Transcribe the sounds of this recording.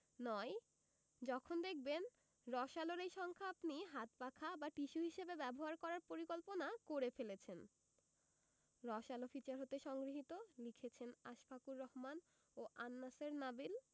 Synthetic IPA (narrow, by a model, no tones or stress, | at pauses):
nɔj | d͡ʑɔkʰond̪ek̚ʰben | ɾɔʃaloɾejʃɔŋkʰaapniɦat̪pakʰabaʈiʃuɦiʃebebɛboɦaɾkɔɾaɾpoɾikolponakoɾefelet͡ɕʰen | ɾɔʃalofit͡ɕaɾɦot̪eʃɔŋɡɾiɦit̪olikʰet͡ɕʰena̰ʃkʰakuɾːɔɦman | oʔanːaseɾnabil